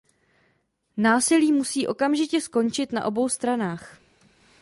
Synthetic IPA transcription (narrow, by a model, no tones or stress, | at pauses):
naːsɪliːmusiːʔo̞kamʒɪcɛsko̞nt͡ʃɪt̪na̰ʔo̞bo̞wst̪ɾanaːx